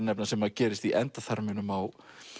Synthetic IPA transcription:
nːɛpnasɛmaðcɛːɾɪst̪iʔɛnt̪aθaɾmɪnʏmaw

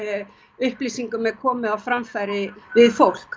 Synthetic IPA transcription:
ʏhplisiŋkʏmɛðkʰɔːmɪawfɾamfajɾɪvɪðfowl̥k

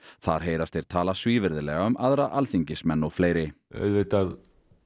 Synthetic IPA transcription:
θaɾ̥ɦeːjɾast̪ɪɾ̥t̪ʰaːlasviːvɪɾðɪlɛːɣaʏmʔaðɾaʔalθiɲcɪsmɛnːɔɣfleːjɾɪɛ̰ðvet̪að

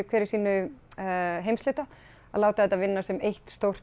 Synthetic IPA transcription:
kʰvɛːɾɪɾ̥siːnʏ | ɦejmst̪ɪːt̪a | a̰ðlaːwt̪aɛt̪ːavɪnːasɛmejht̪st̪owr̥t̪

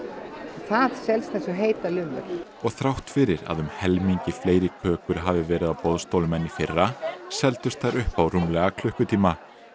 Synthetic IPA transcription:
θaðsɛlst̪ɛnsɔɦeːjt̪alʏnʏ̰ɾ̥ | ɔɣθɾawht̪fɪɾɪɾa̰ðʏmhɛlmiɲcɪfleːjɾɪkʰœːkʏɾ̥ɦaːvɪvɛːɾɪðawpɔðst̪owlʏmɛnːifɪrːasɛlt̪ʏst̪θaɾʔʏhpawrumlɛɣakʰl̥ʏhkʏt̪ʰiːma

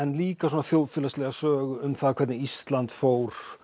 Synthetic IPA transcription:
ɛnliːkasoɔnaθjoːwðfɪlaslɛɣasœːɣʏʏmθaðkʰvɛɾt̪nɪist̪lant̪foːwɾ̥

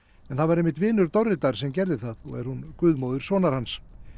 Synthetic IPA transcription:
ɛnθaðvaɾejmːɪht̪vɪːnʏɾt̪ɔwrɪt̪aɾ̥sɛmcɛɾðɪθaðɔ̰ɣɛ̰ɾhunkʏːðmoːwðʏɾ̥sɔːnaɾ̥hans

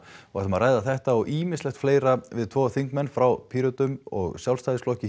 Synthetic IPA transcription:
va̰̥smaraːjðaθɛht̪aɔɣʔiːmɪnslɛxt̪fleːjɾavɪðt̪ʰvɔːθiŋkmɛnːfɾawpʰiːɾɔt̪ʏmɔɣsjawlst̪ajðɪslɔhcɪ

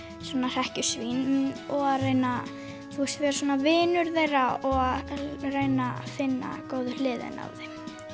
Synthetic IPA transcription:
sɔːnar̥ɛhcʏsvinɔɣaðrejna | θust̪vɛɾasɔːnavɪːnʏɾθejɾaɔɣaðreːjnafɪnːa̰koːwðʏlɪːðɪ̰na̰vðɪ

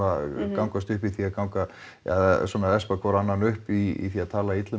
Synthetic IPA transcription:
akawŋkast̪ʏhpiθiaðkawŋka | a̰ðsɔːnaɛspakʰvɔɾanːanʏhpiḭθiaðt̪ʰaːlait̪lʏ

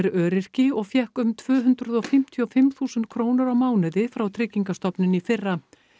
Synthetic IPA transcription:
ɾœːɾɪr̥cɪɔɣfjɛhkʏmt̪ʰvœːɦʏnt̪ɾʏðɔfɪm̥t̪ʰiɔfɪmθuːsʏnt̪̚kʰɾoːwnɪɾawmaːwnɪðɪfɾawt̪ʰɾɪcːiŋkast̪ɔpnɪnifɪrːa

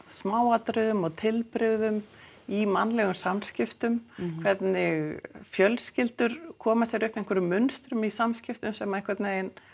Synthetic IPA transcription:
smaːwat̪ɾʏðʏmɔt̪ʰɪlpɾɪɣðʏm | imanːlɛɣʏmsamscɪft̪ʏmkʰvɛt̪nɪɣfjœlscɪlt̪ʏɾ̥kʰɔːmasjɛɾʏhp̪ɛŋkʰvɛɾʏmːʏnst̪ɾʏmisamscɪft̪ʏmsɛmaɛhŋkʰvɛt̪neen

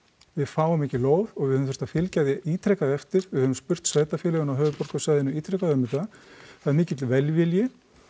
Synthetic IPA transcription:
vɪðfaːwamɛhcɪloːwðɔɣvɪðhœvmθɛ̥st̪afɪlcajðjɪʔiːt̪ʰɾɛkaðɛft̪ɪɾɪðhœːvʏmspʏr̥t̪svaːjt̪afjɛːlɛɣʏnawɦœːvʏpɔr̥kʏsaːjðɪnʏiːt̪ʰɾɛkaðœmːɪt̪aθaðɛɾmɪːcɪt̪lvɛlvɪljɪ

